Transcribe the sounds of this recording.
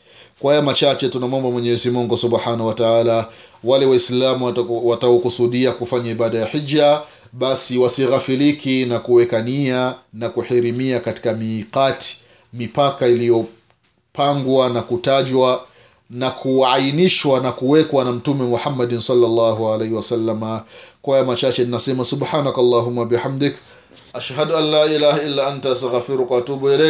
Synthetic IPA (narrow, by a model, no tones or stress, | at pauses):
kwaajamat͡ʃat͡ʃɛtunamwɔmbamwɛɲɛzimuŋɡusuɓħanawataaːla | walɛwaislamuwataɔkusuɗiakufaɲaiɓaɗajaħid͡ʒːa | ɓasiwasiɣafilikʰinakuwɛkanianakuħiɾimiakati̥kamiːqati̥ | mipakailijɔ | paŋɡwanakutaʄwa | nakʰuainiʃwanakuwɛkwanam̩tumɛmuħamːadnsɑlːalːaːɦualejhiwasalːamakɔjamat͡ʃat͡ʃɛninasɛmasubħaːnakalːaːɦumːawbiħamd̪ik | ʔaʃhaduanːaːʔilaːhailːaantaastaɣafiɾukwaatuɓuɛlɛ